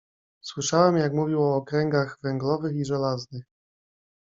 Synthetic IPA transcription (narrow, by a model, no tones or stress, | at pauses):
swɘʂawɛmjakmuvʲiwɔːkɾɛŋɡaɣvɛŋɡlɔvɘxiʐɛlaznɘx